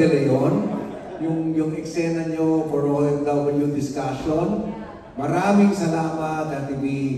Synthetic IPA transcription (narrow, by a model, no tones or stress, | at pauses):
ɛlɐjon | jʊŋjʊŋɛksɛnɐɲofɔɹoʔɛnd̪awbɐljʊŋd̪ɪskaʃon | mɐɾaːmɪŋsɐlaːmɐt̪̚nɐt̪ɪbi